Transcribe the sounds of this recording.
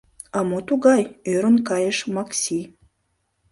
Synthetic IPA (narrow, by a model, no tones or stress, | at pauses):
ɑmot̪uɣɑjøɾə̆nkɑjəʃmɑksʲi